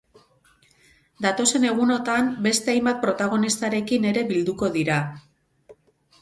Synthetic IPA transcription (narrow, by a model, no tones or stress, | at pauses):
d̪at̪o̞se̞ne̞ɣ̞uno̞t̪ambe̞st̪e̞ajmbat̪̚pɾo̞t̪aɣ̞o̞nist̪aɾe̞kine̞ɾe̞βild̪uko̞ðiɾa